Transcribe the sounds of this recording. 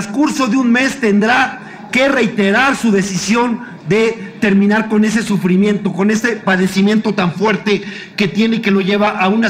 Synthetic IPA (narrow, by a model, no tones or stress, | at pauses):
skuɾso̞ðeunme̞st̪e̞nd̪ɾa | ke̞re̞jt̪e̞ɾaɾsuðe̞sisjo̞n | d̪e̞t̪e̞ɾmĩnaɾko̞ne̞s̬e̞sufɾimje̞nt̪o̞ko̞ne̞se̞paðe̞simjẽ̞nt̪o̞t̪aɱfwe̞ɾt̪e̞ | ke̞t̪je̞ne̞ike̞lo̞ʝe̞βaʔauna